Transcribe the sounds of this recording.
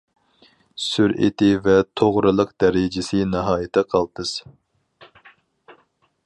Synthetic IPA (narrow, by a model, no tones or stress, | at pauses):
syɾʔɪ̰t̪ʰɪvɛt̪ʰoʁɾɨlˠəqd̪ɛɾɪd͡ʒɪsɨnɨɦɑːjɪt̪ʰɛqʰɑlˠt̪ʰɨz̥